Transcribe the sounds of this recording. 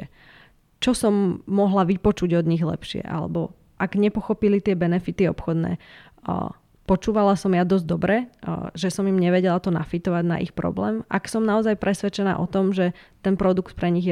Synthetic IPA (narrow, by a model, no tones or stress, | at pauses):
t͡ʃɔsɔmːɔɦlaʋipɔt͡ʃuɟɔd̪ɲiɣlɛ̰pʃɪɛ̰ʔa̰lɛ̰bɔ | ʔaɡɲɛpɔxɔpilit̪ɪɛbɛnɛfit̪iɔpxɔd̪nɛ̰ː | pɔt͡ʃuːʋalasɔmjad̪ɔzɟd̪ɔbɾɛʒɛsɔmimɲɛʋɛɟɛlat̪ɔna̰fit̪ɔʋaɟna̰ʔḭxpɾɔ̰blɛ̰ːma̰ksɔmnaɔzajpɾʔɛsʋɛt͡ʃɛna̰ːʔɔt̪ɔmʒɛt̪ɛnpɾɔd̪ukt̪̚pɾɛɲiɣjɛ